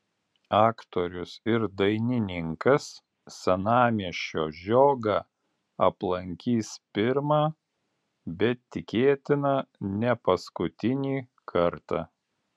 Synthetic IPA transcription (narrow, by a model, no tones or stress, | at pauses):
ɑːkt̪oːɾʲʊsɪɾd̪ɐɪnʲɪnʲɪŋkɐs | sʲɛnɑːmʲiɛʃʲt͡ʃʲoːʒʲoːɡɑː | ɐplˠɐŋʲkʲiːspʲɪɾmɑː | bʲɛt̪ːʲɪkʲeːt̪ʲɪnɐnʲɛpɐskʊt̪ʲɪnʲiː | kʰɐɾt̪ɑ̰ː